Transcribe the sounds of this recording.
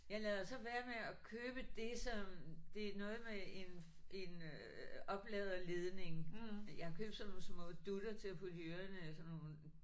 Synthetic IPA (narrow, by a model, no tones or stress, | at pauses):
jɑ̈ɪlɛðˠɐsɒ̽ʋæːɐmeɒkʰøːb̥əd̥e̝sɒ̽md̥e̝nɔ̽ːð̩ˠmee̝n | e̝n | ɒ̽b̥lɛð̞ˠɐleð̞ˠne̝ŋjɑ̈hɑkʰø̰ːb̥̚sɒnon̩smɔ̽d̥ud̥ɐt͡sʰe̝æpʰodøɐnəsɒnoː